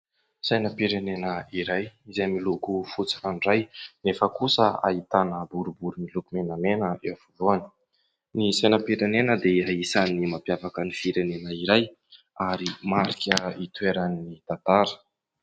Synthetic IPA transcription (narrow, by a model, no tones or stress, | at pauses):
sajnəpiɾenenəiɾajizejmilukufut͡sḁkanrajnefəkusəa̰it̪anəbuɾubuɾumilukumenamenəʔewvuvuani̥ | nisajnəpiɾenenəd̪eaisanimapjavakənifiɾenenəiɾaj | aɾimaɾikʲəit̪uweɾannit̪at̪aɾə̥